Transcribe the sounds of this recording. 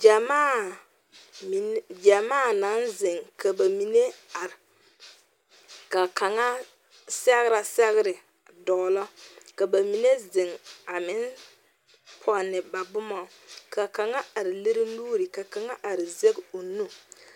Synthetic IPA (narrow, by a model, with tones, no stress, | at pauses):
d͡ʒa˨maː˦ | m˨d͡ʒa˨maː˦na˨˦nzɪ˨ŋka˨ba˨mi˨ne˦a˨ɾɪ˨ | ka˨ka˨ŋa˦ | sɛ˦ɣɪ˦ɾa˨sɛ˦ɣɪ˦ɾɪ˨ | dɔ˨lɔ˦ka˨ba˨mi˨ne˦zɪ˨ŋa˨mɪ˦n | pʰɔ˨nːɪ˨ba˨bʊ˦mɔ˨ka˨ka˨ŋa˦a˨ɾɪ˨le˦ɾi˦nuː˦ɾɪ˨ka˨ka˨ŋa˦ʔa˨ɾɪ˨ze˦ɡo˨nu˦